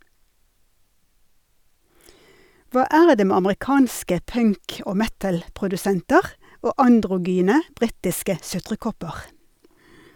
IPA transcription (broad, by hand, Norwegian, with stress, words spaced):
ˈʋɑː ˈæːɾ ˈdeː ˈmeː ɑməʁɪˈkɑːnskə ˈpœŋk ˈoː ˈmɛtl̩pʁʊdʉˌsɛntəʁ ˈoː ɑndʁʊˈɡyːnə ˈbʁiːtɪskə ˈsʉtʁəˌkɔpəʁ